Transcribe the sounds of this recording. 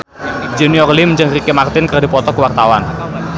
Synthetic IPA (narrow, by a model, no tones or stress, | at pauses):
d͡ʒɛniɔrlɪmɲd͡ʒɨŋrikemart̪ɪnkərdipɔt̪ɔkəwart̪awan